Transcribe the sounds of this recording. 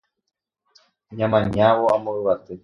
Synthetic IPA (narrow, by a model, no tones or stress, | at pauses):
ɲãmãɲawoamõɨβat̪e